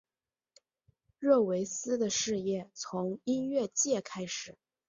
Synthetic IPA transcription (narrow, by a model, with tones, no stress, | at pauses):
ɻɤ˥˩we˧˥ɪsɹ̩˥d̪ə˨ʂɻ̩˥˧jɛ˥˩t͡sʰʊ˧˥ŋi˥nɥɛ˥˧t͡ɕjɛ˥˩kʰa˥ɪʂɻ̩˨˩˦